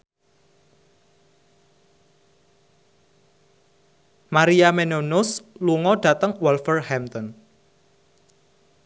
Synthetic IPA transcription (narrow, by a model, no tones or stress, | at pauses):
maɾiamenonʊsluŋɔɖ̥ä̤t̪əŋwɔlfərhɛmt̪ɔn